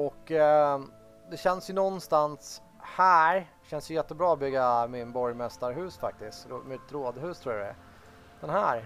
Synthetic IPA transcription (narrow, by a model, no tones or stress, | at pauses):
ɔkː | d̪ɛɕɛnsjɵnɔnːst̪ans | hæːɾ | ɕɛnsjɵjɛt̪ːəbɾɑːɔbʏɡːamɪnbɔɾjmɛst̪aɾɦʉ̟ːsfak̚t̪ɪskt̪ɾ̰mɪt̪ɾoːd̪ɦʉ̟ːst̪ʰɾuːɾad̪ɛæ̰ | d̪̥ɛnɦæːɾ